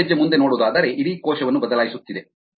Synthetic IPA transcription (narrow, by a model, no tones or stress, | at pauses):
ed͡ʒːɐmund̪e̞no̞ːɽuːd̪aːd̪ɐɾe̞ʔiɾiːkoːʃɐʋɐnːubɐd̪ɐlaːjisut̪ːid̪e